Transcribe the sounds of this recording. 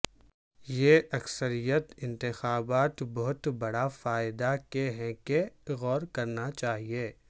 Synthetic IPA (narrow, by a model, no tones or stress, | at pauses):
jeʔɐksəɾijət̪ɪ̃nt̪ɪxaːbaːt̪bɔɦʊt̪bɐɽafaːɪd̪akeɦɛ̃keɣɔːɾkɐɾnat͡ʃaːɦieː